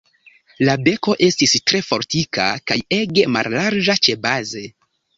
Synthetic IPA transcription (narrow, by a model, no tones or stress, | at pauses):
labe̞ko̞ʔe̞stistɾe̞fo̞ɾtika̰kaje̞ɡe̞ma̰llaɾd͡ʒat͡ʃe̞baze̞